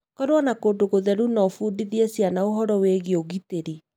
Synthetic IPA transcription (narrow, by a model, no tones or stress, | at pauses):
kɔɾwɔnakodoɣoðɛɾunɔfuːdiðiesjanaoɦɔɾɔweɣeoɣiteɾi